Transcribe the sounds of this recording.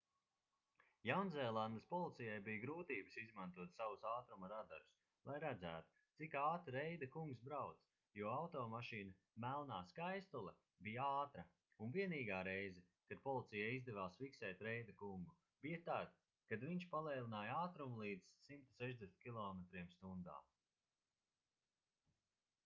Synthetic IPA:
jawnzɛːlˠand̪ɐspɔlˠit̪sʲijajbijɡɾuːt̪iːbə̥sizmãnt̪uɔt̪savusaːt̪ɾumaɾad̪aɾus | lˠajɾæd̪zæ̰ːt̪u̥t̪sikaːt̪ɾɾɛjd̪ɐkuŋɡsbɾawt̪s | juɔawt̪ɔːmaʃiːnɐ | mælˠnaːskajst̪ulˠɛ | bijaaːt̪ɾɐ | unviɛniːɡaːɾejzɛ | kad̪̥̚pɔlˠit̪sijaizd̪ɛvaːsfiksɛːt̪ɾejd̪ɐkuŋɡu | b̥ijat̪aːd̪ | kad̪viɲʃpalˠɛːlˠinaːjaːt̪ɾumlˠiːd̪z̥simt̪u̥sɛʒd̪esnʲt̪kʲilˠɔːmet̪ɾiɛmst̪und̪a̰ː

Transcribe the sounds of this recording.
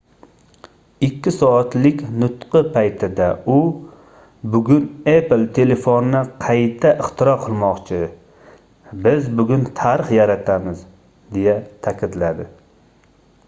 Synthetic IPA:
ɪkʲʰːɪsɒat̪lɪkʲnʊt̪qɨpʰajt̪ʰɪd̪aʊ | bʊɡʲʊneplt̪ʰe̞le̞fonnɪqʰɑjt̪ʰaʔɪχt̪ʰɪɾɒqʰɨlˠmɒqt͡ʃʰɪ | bɪzbʊɡʲʊnt̪ʰaɾɨχjaɾat̪ʰamɪz | d̪e̞jat̪ʰakʲɪd̪lad̪ɪ

